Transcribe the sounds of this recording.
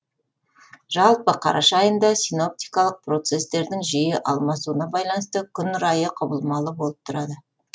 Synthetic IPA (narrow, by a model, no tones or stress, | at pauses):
ʒ̥ɑlˠpəqʰɑ̰ɾʔɑʃɑːjənd̪ɑsijno̞p̚t̪ijkɑlˠəq̚pro̞t̪se̞st̪e̞ɾd̪ɪŋʒijɪʔɑlˠmɑsuənɑbɑjlˠɑnəst̪əkʲʰʏnɾɑjəqʰʊbəlˠmɑlˠəbo̞lˠəp̚t̪ʰʊɾɑd̪ə